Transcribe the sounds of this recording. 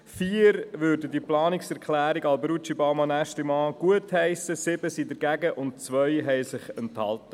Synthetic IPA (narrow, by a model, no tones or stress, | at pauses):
fiːəɾʋøːɾdədiəplɑːnɪksɛɾkχlæːɾiɡɑlbɾut͡ʃibɑmɑnæʃtlimɑːɡ̥uəthɛɪsəsɪb̥əsiːdəɾɡæɡəʔʊnt̚t͡sʋœʏɦɛɪsɪχɛnthɑ̰ltə